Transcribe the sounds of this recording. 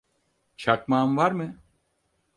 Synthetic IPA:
t͡ʃʰak̚maːmvaɾmɯ

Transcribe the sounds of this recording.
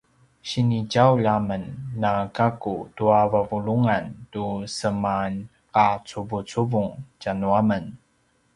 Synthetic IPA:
ɕiniɟawʎamənːakakutuavavuɭuŋantusəman | qat͡subut͡suvuŋcanuamən

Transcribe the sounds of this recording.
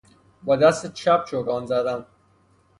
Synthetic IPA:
bɒd̪æst̪et͡ʃʰæp̚t͡ʃʰoɾɒːnzæd̪æn

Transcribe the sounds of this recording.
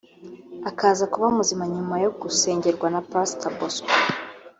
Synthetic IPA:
akaːzakuβaumuzimaɲumajoɡuse̞ːɲɟe̞ɾɡwanapastabosk

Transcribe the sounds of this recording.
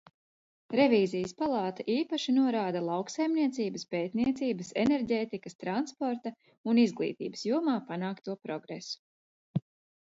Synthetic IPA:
ɾeviːzijəspalˠɑːt̪aʔiːpaʃinuɔɾaːd̪alˠɑwksajmniɛt̪siːbəspeːt̪niɛt̪siːbəseneɾɟeːt̪ikɐst̪ɾanspɔɾt̪a | unizɡlˠḭːt̪ḭːbəsjuɔmaːpanaːkt̪uɔpɾɔɡɾḛsu̥

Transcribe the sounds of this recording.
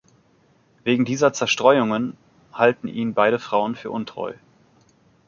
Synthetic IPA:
veːɡŋ̩diːzɐt͡sɛɐʃtʁ̥ɔʏʊŋən | haltn̩ʔiːnbaɪɾəfʁ̥aʊənfyːɐʔʊntʁ̥ɔ̰ʏ

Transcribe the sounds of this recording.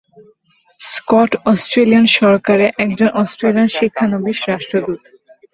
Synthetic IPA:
skɔʈɔsʈɾelianʃɔɾkaɾeʔɛkd͡ʑonʔɔsʈɾelianʃikʰːanobiʃɾaʃʈɾod̪ut̪

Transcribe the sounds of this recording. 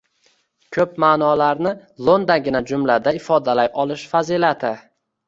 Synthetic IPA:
kʲʰɵp̚maːnɒlaɾnɪlˠond̪anɡʲɪnad͡ʒʊmlad̪aɪfɒd̪alajʔɒlɪʃfazilat̪ʰɪ

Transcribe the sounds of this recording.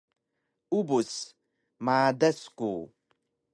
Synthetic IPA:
ubus | maːdesku

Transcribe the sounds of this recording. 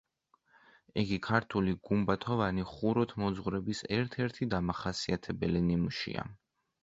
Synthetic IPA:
iɡikʰaɾt̪ʰuliɡumbat̪ʰɔvaniχuɾɔt̪ʰmɔd̪zʁwɾɛbisɛɾt̪ʰɛɾt̪ʰid̪amaχasiat̪ʰɛbɛlinimuʃḭa̰

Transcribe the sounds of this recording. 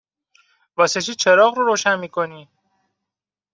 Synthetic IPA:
vɒːseʃʰiːt͡ʃʰeɾɒːɣɾoɾoːʃænmiːkʰo̞niː

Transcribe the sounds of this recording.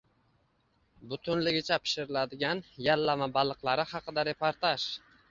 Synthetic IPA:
bʊt̪ʰʊnlɪɡʲɪt͡ʃʰapʰɪ̥ʃɪɾɪlad̪ɪɡʲanjalːamabɑlˠɨqlˠaɾɪhɑqʰɨd̪aɾe̞pʰoɾt̪aʃ

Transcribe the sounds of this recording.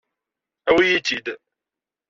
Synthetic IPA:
æwijit͡ʃid̪

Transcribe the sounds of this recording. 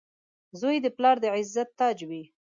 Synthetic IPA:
zojd̪əplɑɾd̪əʕɪzːat̪ːɑd͡ʒwi

